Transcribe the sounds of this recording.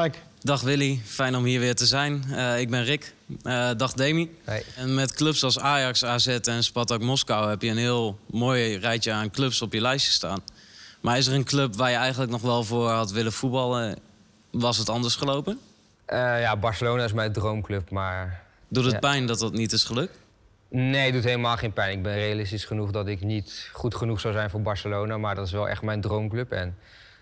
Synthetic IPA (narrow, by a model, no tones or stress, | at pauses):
k | dɑχʋɪlifɛjnɔmɦiːɹʋɪːɹtəzɛjnɪɡ̚bɪnrɪk | dɑχdejmiɛnmɛtklɵpsɑlˠsaːjɑksaːzɛtɛnspɑtɔkmɔskawɦɛpjəənɦɪːlˠmoːjrɛjt͡ʃəaːnklɵpsɔpjəlɛjsə̥staːn | maɹɪs̬ərənklɵpʋaːɹjəɛjχəntləknɔχʋɛlˠvʊːɹɦɑtʋɪləfutbɑlˠə | ʋɑsɦətɑndəɹsχəlowpən | ʔəjaːbɑɹsəlownaːɪsmɛjndrowmklɵpmaːɹ | dutətpɛjndɔtɑtnitɪsχəlɵk̚t | nejdutɦeləmaːlˠχejnpɛjnɪɡ̚bɛnrejalɪstisχənuχdɑtɪknitχutχənuχsɑwzɛjnvʊːɹbɑɹsəlownaːmaːɹdɔtɪsʋɛlˠʔɛ̰χtmɛjndrowmklɵpɛ̰n